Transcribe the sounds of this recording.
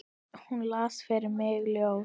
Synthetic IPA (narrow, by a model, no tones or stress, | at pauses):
hunlaːsfɛɾɪmɛːɣljow